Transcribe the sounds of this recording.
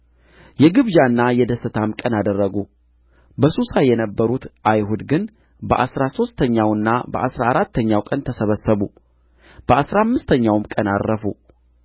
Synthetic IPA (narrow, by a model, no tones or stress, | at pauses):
jɛɡɨβd͡ʒanːajɛd̪əsːɨt̪ʰamkʼənad̪ərːəɡu | bəsusajɛnəbːəɾut̪ʔajɦud̪ɡɨn | bəʔasɾaso̞st̪ʰəɲːawɨnːabə̰ʔasɾaaɾat̪ʰːəɲːawkʼənt̪ʰəsəβəsːəβu | b̥əasɾamːɨst̪ʰəɲːawmkʼənarːəfu